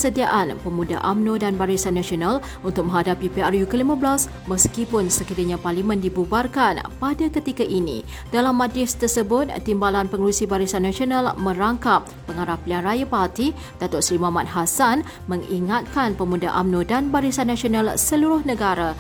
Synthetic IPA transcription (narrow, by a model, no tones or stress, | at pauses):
əsədiaʔanpəmũda̰ʔamnõdanbaɾisanːãsional | unt̪ʊk̚mə̃ɦadapipearjukəlimə̃blas | məskipʊnsəkiɾaɲãparlimə̃ndibubarkanpadakət̪ikaʔinḭ | d̥alamːadɾɪst̪ərsəbʊt̪̚ːimbalanpəŋəɾusibaɾisanːãsionalmə̃ɾaŋkap̚ːəŋaɾaplianrajapart̪i | d̥at̪ɔʔsɾimãmat̪̚ɦasan | mə̃ŋḭŋat̪̚kanpəmuda̰ʔamnõdanbaɾisanːãsionãlsəluɾʊhnə̃ɡaɾa